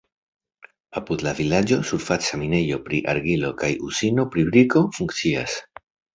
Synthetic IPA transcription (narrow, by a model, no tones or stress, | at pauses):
apud̪lavilad͡ʒo̞suɾfat͡samine̞jo̞pɾiʔa̰ɾɡilo̞kajusino̞pɾibɾiko̞fuŋkt͡sias